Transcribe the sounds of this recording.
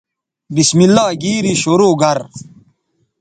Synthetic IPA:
bismilːaːɡiːɾiɕoɾoːɡɐɾ

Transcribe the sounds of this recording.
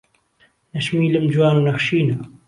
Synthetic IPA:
nɐʃmiːləmd͡ʒwaːnunɐxʃiːna

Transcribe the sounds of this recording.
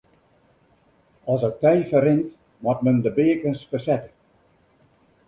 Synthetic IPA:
ɔlˠsək̚tɛjfərɪnt | matməndəbɪəkənsfərsɛtə

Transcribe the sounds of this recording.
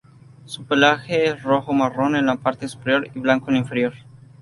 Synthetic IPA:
supelaxeesroxomaronenlapaɾt̪esu̥peɾjo̞ɾiβlaŋkoniɱfe̞ɾjo̞ɾ

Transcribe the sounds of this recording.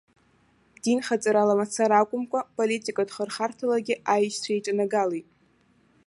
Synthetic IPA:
dinχat͡sʼaɾalamat͡sʰaɾakʷʼʊmkʷʼapʼolitʼikʼadχərχartʰalaɡʲɪʔajʃt͡sʷʰajʈ͡ʂʼanaɡalejtʼ

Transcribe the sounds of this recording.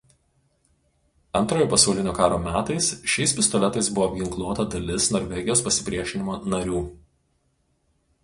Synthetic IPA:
ɐnt̪ɾoːjoːpɐsɐʊlʲɪnʲoːkɑːɾoːmʲæːt̪ɐɪsʃʲɛɪsʲpʲɪst̪ɔlʲɛt̪ɐɪsbʊʋoːbʲɡʲɪŋklˠuɔt̪ɐd̪ɐlʲɪsnɔɾʲʋʲɛɡʲɪjoːspɐsʲɪ̥pʲɾʲiɛʃʲɪnʲɪmoːnɐɾʲuː

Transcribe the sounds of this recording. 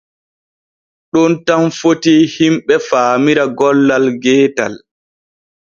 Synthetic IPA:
ɗɔntamfotihimɓɛfaːmiɾaɡɔlːalɡɛːtal

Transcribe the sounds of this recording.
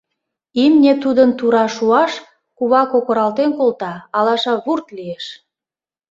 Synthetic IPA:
imnʲet̪ud̪ənt̪uɾɑʃuɑʃ | kuβɑkokŏɾɑlt̪enkolt̪ɑːlɑʃɑβurt̪lieʃ

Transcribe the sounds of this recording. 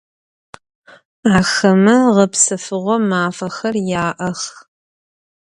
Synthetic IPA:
aːxɐmɐʁɐpsɨfɨʁʷɔmaːfɐxɐrjaːʔɐx

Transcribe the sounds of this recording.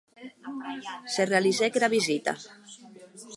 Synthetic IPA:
serealizekeɾaβizit̪a̰

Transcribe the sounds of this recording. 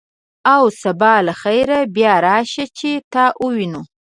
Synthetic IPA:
awsabɑlaxajɾabjɑɾɑʃat͡ʃet̪ɑʔuwinu

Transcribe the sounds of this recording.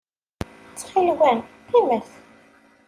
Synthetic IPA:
t͡sːχilwænθiməθ

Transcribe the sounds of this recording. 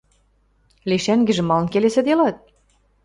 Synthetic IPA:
liʃæŋɡɘ̆ʒɘ̆mɑlɤ̆nkelesĕd̪elɑt̪̚

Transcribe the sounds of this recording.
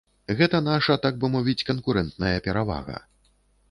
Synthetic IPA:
ɣɛt̪ɐnaʂɐt̪aɡ̚bɨmɔvʲit͡sʲkɐnkuɾɛnt̪nɐjɐpʲɛɾava̰ɣɐ̰

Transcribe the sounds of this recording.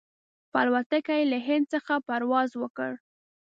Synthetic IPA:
pa̰lwat̪əkajlaɦɪnd̪̚səxapaɾwɑzwəkə̰ɽ

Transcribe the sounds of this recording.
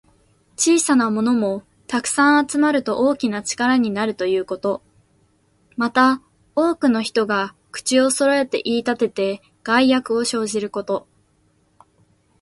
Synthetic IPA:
t͡ɕiːsanamo̞no̞mo̞ | t̪akɯ̟̥sãɰ̃at͡sɨmaɾɯ̟t̪o̞ʔo̞ːkʲinat͡ɕi̥kaɾaɲ̟inaɾɯ̟t̪o̞jɯ̟ːko̞t̪o̞ | mat̪a | o̞ːkɯ̟no̞çi̥t̪o̞ɡa | kɯ̟̥t͡ɕio̞so̞ɾo̞e̞t̪e̞̰ʔiːt̪at̪e̞t̪e̞ | ɡ̥aijakɯ̟o̞ɕo̞ːʑiɾɯ̟ko̞t̪o̞

